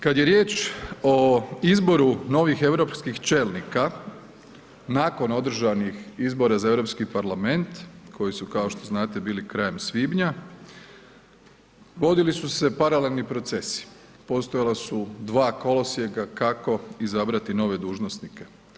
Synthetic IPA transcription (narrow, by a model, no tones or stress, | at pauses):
kad̪je̞ɾje̞ːt͡ʃoizbo̞ɾuno̞ʋixe̞ʋɾo̞pskixt͡ʃe̞ːlˠnika | naːko̞no̞d̪ɾ̩ʒanixizbo̞ɾazae̞ʋɾo̞pskipaɾlame̞nt̪kʰo̞jisukao̞ʃt̪o̞znaːt̪e̞biːlikɾaːje̞msʋiːbɲa | ʋo̞d̪ilisuse̞paɾale̞lnipɾo̞t̪se̞si̥ | po̞st̪ojalasud̪ʋaːko̞lo̞sijeɡakako̞izabɾat̪ino̞ʋe̞d̪uːʒnosnike̞